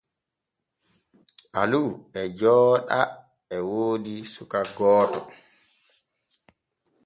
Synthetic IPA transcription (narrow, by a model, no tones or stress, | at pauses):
ʔaluɛd͡ʒɔːɗa | ɛwoːdisukaɡɔːtɔ